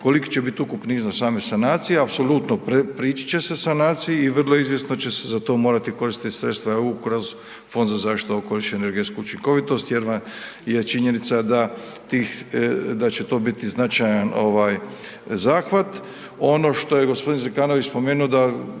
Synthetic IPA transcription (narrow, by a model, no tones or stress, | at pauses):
ko̞liki̥t͡ɕebit̪ukupniːznasaːme̞sanaːt̪sijeapso̞lut̪no̞pɾepɾiːt͡ʃi̥t͡ɕe̞se̞sanaːt̪sijiːʋr̩lˠo̞izʋjesnot͡ɕe̞sezat̪o̞ːmo̞ːɾat̪iko̞ɾist̪it̪sɾet̪st̪ʋaeukɾoz | fo̞nd̪zazaːʃt̪i̥t̪uokoliʃeeneɾɡet̪skuut͡ʃiŋko̞ʋit̪o̞st̪jeɾʋaje̞t͡ʃiɲe̞nit̪sad̪a | t̪iːxd̪at͡ɕet̪o̞ːbit̪iznat͡ʃajano̞̰ʋaːj | zaːxʋat̪ | o̞no̞ːʃt̪o̞jeɡo̞spo̞d̪inzekaːnoʋit͡ʃspo̞meːnuod̪a